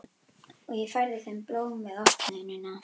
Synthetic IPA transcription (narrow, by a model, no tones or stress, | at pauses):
ɔɣjɛfajɾðɪθɛmploːwmvɛðɔhkɪnɛnːɪna